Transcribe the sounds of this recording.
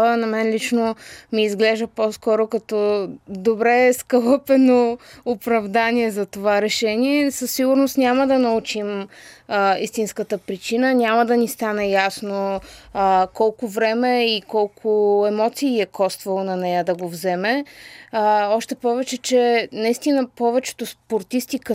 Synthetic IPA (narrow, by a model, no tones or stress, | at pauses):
ənɐmɛnlʲit͡ʃnomiːzɡlɛʒd̪əpɔskɔɾokɐt̪ɔd̪obɾɛskəlˠɤpɛnoʊpɾɐvd̪aniɛzɐt̪ovaɾɛʃɛniɛsəsːiɡʊɾnost̪nʲaməd̪ɐnɐut͡ʃim | ist̪inskət̪əpɾit͡ʃinənʲaməd̪ɐnist̪anɛjasno | kɔlˠkʊvɾɛmɛikɔlˠkʰʊɛmɔt̪siːɛkɔst̪vəlˠonɐnɛjəd̪ɐɡovzɛmɛ | ɔʃt̪ɛpɔvɛt͡ʃɛt͡ʃɛnɐist̪inəpɔvɛt͡ʃɛ̥t̪ʊspoɾt̪ist̪ikə